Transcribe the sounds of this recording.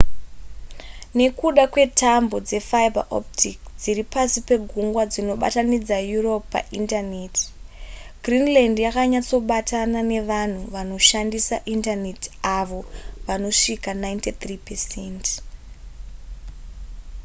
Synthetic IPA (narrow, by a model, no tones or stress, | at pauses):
ne̞kuɗakwe̞tʰambo̞d͡ze̞fajba̰ʔo̰ptʰikd͡ziripasipe̞ɡʱuŋɡwad͡zino̞ɓa̰tanid͡zajuro̞ppːa̰ʔintane̞ti̥ | ɡrinlandjakaɲat͡so̞ɓatanane̞ʋan̤uʋano̞ʃandisa̰ʔintane̞taʋo̞ʋano̞ʂikanajntit̪ripesent